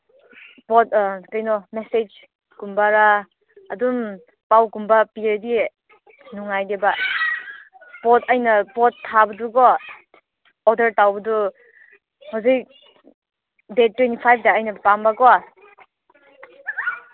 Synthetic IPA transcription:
pɔtkajnɔmesed͡ʒ | kumbaɾaː | dum | pawkumbapieɾdi | nuŋajdeba | pɔtʰajnɐpɔtʰːabɐduɡɔ | ɔdəɾtawbɐdu | hɔsik | det̚tːwentipʰajb̚daːjnɐpambaɡɔa

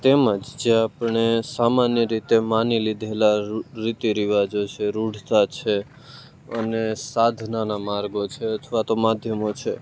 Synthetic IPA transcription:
t̪eməd͡ʒd͡ʒeapɳesamanjəɾit̪emanilid̪ʱelaɾit̪eɾiʋad͡ʒot͡ʃʰeɾuɽ̤t̪at͡ʃʰe | ənesad̪ʱnanamaɾɡot͡ʃʰeət̪ʰʋat̪omad̪ʱjəmot͡ʃʰe

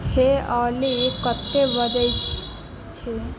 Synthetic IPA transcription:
heɔːlikət̪ːeʋəd͡ʒəj | t͡ʃʰe

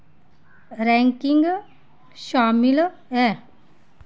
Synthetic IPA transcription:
ɾɛŋkiŋɡ | ʃamil | ɛ

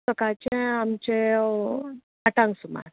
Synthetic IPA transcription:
səkat͡ɕẽamt͡ɕe | aʈãŋɡsuma̰ɾ

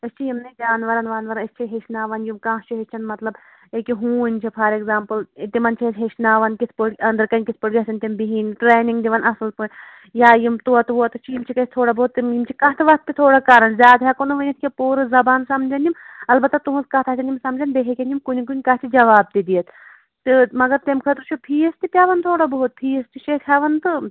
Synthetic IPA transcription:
ɐst͡ʃʰijimnɐd͡ʒaːnʋɐɾɐnʋaːnʋɐɾɐnɐst͡ʃʰiɦeʃnaːʋɐnjumkãːtt͡ʃʰiɦet͡ʃʰɐnmɐt̪lɐb | ekiɦũːnʲt͡ʃʰipʰɐɾeɡzaːmpɨlt̪imɐnt͡ʃʰitɦeʃnaːʋɐnkispoʈkʲɐnd̪ɐɾkɐnʲkispoʈɡʲɐsʲɐnʲt̪ʲimbiɦiːnʈɾeːniŋɡd̪iʋɐnɐsɐlpun | jaːjimt̪uɐt̪ʰʋoɐt̪ɨt͡ʃʰijimt͡ʃʰikɐt̪ʲt̪ʰoːɽabɐɦut̪ːimjimt͡ʃʰikɐt̪ʰɐʋɐt̪ːit̪ʰoːɽakaɾɐnzʲjaːd̪ɦʲakonuʋɐnʲɐt̪kʲepuːɾɨzɐbaːnsɐmd͡ʒɐnimɐlbɐt̪ːɐt̪uɦuzkɐt̪ʰɐtʰʲɐnʲimsɐmd͡ʒɐnd̪eɦekʲenʲimkunikunʲkɐɦt̪ʰid͡ʒɐʋaːb̚d̪id̪ijɐt̪ | t̪ɨmɐɡɐɾt̪emkʰɐt̪ɾt͡ʃʰupʰiːest̪ipʲaʋɐnt̪ʰoːɽabɐɦut̪̚pʰiːest̪iʃekʰaʋɐnt̪ɨ

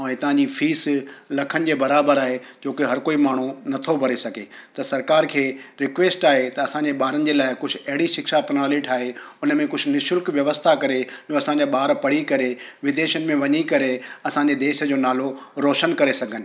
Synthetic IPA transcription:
ɛ̃ːt̪ɐɦãɲd͡ʑifiːslɐkʰənɪ̆d͡ʑeːbɐɾaːbəɾaːɦed͡ʑoːkeɦɐɾkoːimaːɳ̤unɐt̪ʰobʱɐɾesɐɡʱet̪ɐsɐɾkaːɾkʰeːɾɪkʋeːsʈaːɦet̪ɐɐsãɲd͡ʑeɓaːɾənɪ̆d͡ʑeːlaːɪkʊd͡ʑʱʊɐɦɪɽiʃɪkʃapnaːlɪʈʰaːɦeʊnəmẽkʊd͡ʑʱʊ̆nɪʃʊlkʋjɐʋəst̪ʰakɐɾed͡ʑoːɐsãːɲd͡ʑaɓaːɾpɐɽ̤ikɐɾeʋɪd̪eːʃənɪ̆mẽʋɐɲikɐɾeɐsãɲd͡ʑed̪eːʃə̆d͡ʑoːnaːloɾoːʃənkɐɾesɐɡʱənɪ̆

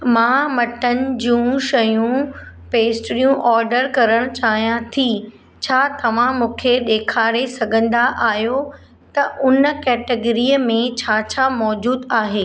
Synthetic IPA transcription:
mãːmɐʈənɪ̆d͡ʑũːʃɐjũ | peːsʈɾijũʔɔːɾɖəɾkɐɾəɽ̃t͡ɕaːɦijãt̪ʰi | t͡ɕʰaːt̪ɐʋ̤ãmũːkʰeɗ̪eːkʰaːɾesɐɡʱə̃nd̪aʔaːɦijo | t̪ɐʔʊnəkɛːʈəɡɾiəmẽt͡ɕʰaːt͡ɕʰamɔːd͡ʑuːd̪aːɦeː

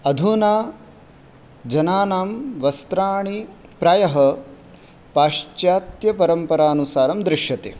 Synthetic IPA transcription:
ɐd̪ʱunaː | d͡ʒɐnaːnaːmʋɐst̪ɾaːɳipɾɐjɐɦɐ̆ | paːʂt͡ʃjaːt̪jɐpɐɾɐmpɐɾaːnusaːɾɐmd̪ɾɪʂjɐt̪ḛː

